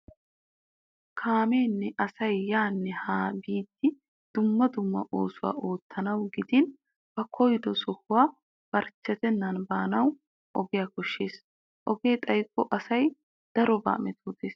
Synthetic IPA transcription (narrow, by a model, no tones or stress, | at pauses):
kʰaːmeːnːɛʔɐsɐjːaːnːɛhaːbiːt̪ːɪ | d̪̥ʊmːɐd̪ʊmːɐ̰ʔoːsʊwa̰ːʔoːt̪ːɐnɐwɡɪd̪ɪn | b̥ɐkʰɔjd̪ɔsɔhʊwaː | b̥ɐɾt͡ʃːɛt̪ɛnːɐnbaːnɐw | ʔɔɡɪjaːkɔʃːe̞ːs | ʔɔɡe̞ːt̪ʼɐjkʼːɔʔɐsɐj | d̪̥ɐɾɔba̰ːmɛt̪ʰoːd̪eːs